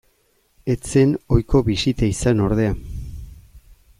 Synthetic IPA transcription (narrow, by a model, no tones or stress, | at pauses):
e̞t͡se̞no̞jkʰo̞βisit̪aisano̞ɾð̞e̞a